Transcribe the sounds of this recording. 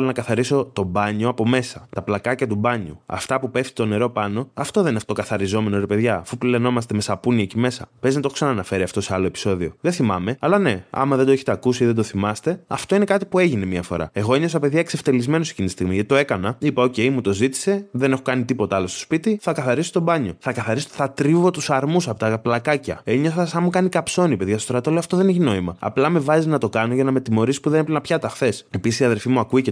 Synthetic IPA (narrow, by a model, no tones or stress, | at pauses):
lonɐkɐθɐɾiso̞t̪o̞bɐɲo̞ɐpo̞me̞sɐt̪ɐplɐkɐcɐt̪ubɐɲuɐ̰ft̪ɐpupe̞ft̪i̥t̪o̞ne̞ɾo̞pɐno̞ɐft̪o̞ðenɐft̪okɐθɐɾizo̞me̞noɾepe̞ðʝɐːfuplile̞no̞mɐst̪e̞mesɐpuniɐcime̞sɐ̰pe̞znɐt̪o̞ksɐnɐːnɐfe̞ɾiɐft̪o̞se̞ɐlo̞e̞pi̥so̞ðio̞ðe̞θimɐ̰me̞ɐlɐne̞ɐ̰mɐðe̞nd̪oeçet̪ekusiiðe̞nd̪o̞θimɐst̪e̞ɐft̪o̞ine̞kɐt̪ipue̞ʝine̞miɐfo̞̰ɾɐ̰e̞ɣo̞inesɐpe̞ðiɐekse̞ft̪e̞lizme̞nosecint̪i̥st̪iɣmiʝɐt̪i̥t̪oe̞kɐnɐipɐo̞ce̞jmut̪ozit̪i̥se̞ðe̞ne̞xokɐnit̪ipo̞t̪ɐɐlɐst̪ospit̪iθɐkɐθɐɾiso̥t̪o̞bɐɲo̞̰θɐkɐθɐɾisoθɐt̪ɾivo̞t̪usɐɾmusɐpo̞t̪ɐplɐkɐcɐ̰eɲɐsɐsɐmukɐnikɐpso̞nipe̞ðʝɐst̪oɾɐt̪oleoɐft̪oðe̞neçino̞imɐ̰ɐ̰plɐme̞vɐzinɐt̪o̞kɐnoʝɐnɐmet̪imo̞ɾisi̥puðeneplnɐpçɐt̪ɐxθe̞se̞pisisiɐðe̞lfimuɐkuece